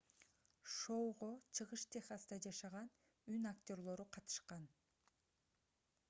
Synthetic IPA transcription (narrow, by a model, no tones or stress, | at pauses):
ʃo̞wʁo̞t͡ʃʰɯʁɯʃt̪ʲʰeχasd̪ɑd͡ʒɑʃɑʁɑn | ynakt̪ʲo̞rlˠo̞ɾuqʰɑt̪ɯ̥ʃqɑn